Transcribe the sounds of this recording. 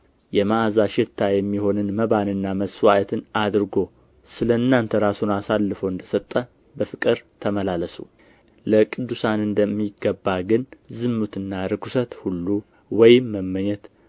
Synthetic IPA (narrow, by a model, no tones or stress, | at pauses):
jɛmaːzaʃɪt̪ʰːajɛmːiho̞nɨnməβanɨnːaməswajɛt̪ʰɨnad̪ɾɨɡo̞ | sɨləɨnːant̪ʰəɾasunasalːɨfəwɨnd̪əsət̪ʼːə | bəfɨkʼɨɾt̪ʰəməlaləsṵ | ləkʼɨd̪ːusanɨnd̪əmːiɡːəbːaɡɨnzɨmːut̪ɨnːaɾɨkʰusət̪hulːu | wɔjɪmːəmːəɲːɛt̪